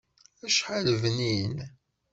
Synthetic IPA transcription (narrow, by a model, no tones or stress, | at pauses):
æʃħaləvnin